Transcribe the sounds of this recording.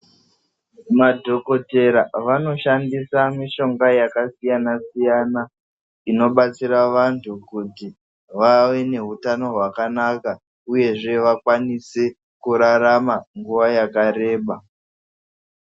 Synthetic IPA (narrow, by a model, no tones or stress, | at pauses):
madʱo̞ko̞te̞ɾaʋano̞ʃandisamiʃo̞ŋɡajakasijanasijana | ino̞ɓat͡siɾaʋantʰukuti | ʋaʋe̞ne̞ɦutano̞ɦwakanaka | uje̞ʐe̞ʋakwanise | kuɾaɾamaŋɡuʋajakaɾe̞ːɓa